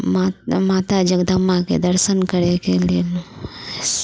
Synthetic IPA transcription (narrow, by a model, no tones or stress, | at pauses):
mamaːt̪ad͡ʒəɡd̪əmakḛd̪əɾsənkəɾekelelu